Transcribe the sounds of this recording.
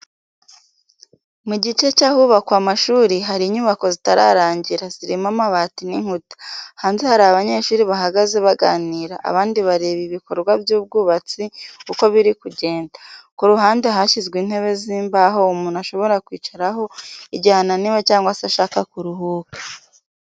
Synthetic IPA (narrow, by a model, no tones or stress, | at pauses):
muɟit͡ʃe̞t͡ʃahuβakwamaʃuːɾiɦaɾiːɲuβako̞zitaɾa̰ɾaːɲɟiɾaziɾimamaβaːtiniŋhutḁhaːnzehaɾaaβaɲe̞ʃuːɾiβaɦaɡaze̞βaɡa̰ːniːɾa̰ʔa̰βaːndiβaɾeːβiβiko̞ɾɡwabjuːb̚ɡuːβat͡sikuko̞βiɾikuɟe̞ːndakuɾuɦaːnde̞ɦaʃizɡwiːn̥he̞βe̞ziːmbaɦo̞umuːnaʃo̞βo̞ɾakwiːt͡ʃaɾaɦo̞iɟaananiwet͡ʃaːŋɡwasiaʃaːkakuɾuɦuːkḁ